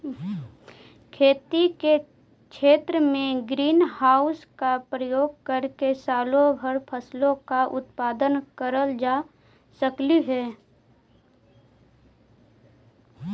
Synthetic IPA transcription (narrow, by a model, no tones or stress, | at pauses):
kʰeːt̪ike | kʰeːt̪ɾəmẽɡɾiːnhaːʊskapɾəjoːɡ̚kəɾkesaːlõbʱəɾpʰəslõkaʔʊt̪paːd̪ənkəɾəld͡ʒaː | səkliɦɛː